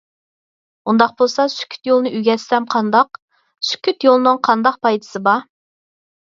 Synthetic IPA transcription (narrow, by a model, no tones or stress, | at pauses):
und̪ɑq̚bolˠsɑsy̥kʲʰy̥t̪jolˠnɨʔyɡʲɛssɛmqʰɑnd̪ɑq | sy̥kʲʰyt̪jolˠnɨŋqʰɑnd̪ɑq̚pʰɑjd̪ɨ̥sɨbɑ